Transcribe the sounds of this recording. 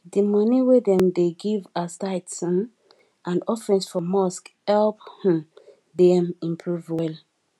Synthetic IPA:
dimɔniwedɛ̃mdeɡivastaɪtsɔ̃n | ʔãnɔfɛ̃nsfɔmɔskhɛlph | dɛmĩmpʰɹuvwɛl

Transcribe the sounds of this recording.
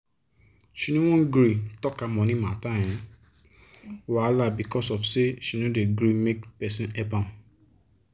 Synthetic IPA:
ʃinũw̃ɔ̃ɡɾitɔkamɔ̃nĩmãtaj̃ɛ̃ | walabikɔsɔfseʃinõdeɡɾimekpɛsĩnɛbãn

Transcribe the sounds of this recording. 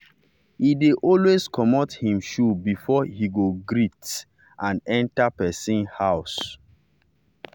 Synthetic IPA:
hideʔɔlweskʰɔmɔthĩmʃubifɔhiɡoɡɹit | ʔãnɛ̃ntapɛsĩnhaʊs

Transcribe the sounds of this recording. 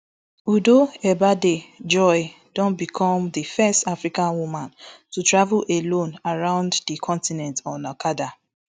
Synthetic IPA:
udoɛbaded͡ʒɔɪ | d̥ɔ̃nbikʰɔ̃mðifɛstafɹikãnwumãntutɹavulʔelõnaɹãʊ̃nddikʰɔ̃ntinɛ̃ntɔ̃nakada

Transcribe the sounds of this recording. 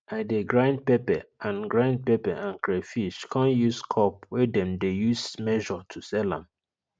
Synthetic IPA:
adeɡɹãnd̚pɛpɛãnɡɹãnd̚pɛpɛʔãnkɹefiʃkʰãnjuskʰɔpwɛdɛ̃mdejusmɛʒɔtʰusɛlã̰m

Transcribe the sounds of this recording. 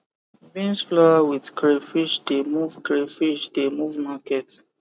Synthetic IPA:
bĩnsflɔawidkɹefiʃdemuvkɹefiʃdemuvmakɛt

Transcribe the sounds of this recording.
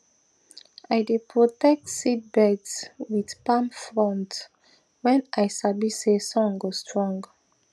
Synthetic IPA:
ajdepʰɹotɛk̚tsid̚bɛdswidpãmfɹɔ̃nt | wɛ̃nʔajsabisesɔ̃ŋɡostʰɹɔ̃ŋɡ

